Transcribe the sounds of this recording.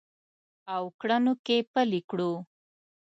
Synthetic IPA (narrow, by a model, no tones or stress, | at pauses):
awkɽanokepəlikɽu